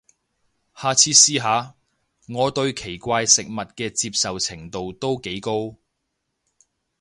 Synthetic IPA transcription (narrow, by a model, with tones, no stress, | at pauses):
haː˨t͡sʰiː˧siː˧ɦaː˨˧ | ŋɔː˨˧t̪ɵ˧ɥkʰe˨˩jkʷaː˧jsɪ˨k̚mɐ˨t̚kɛː˧t͡siː˧p̚sɐ˨wt͡sʰɪ˨˩ŋt̪o˨wt̪o˥wke˨˥jko˥w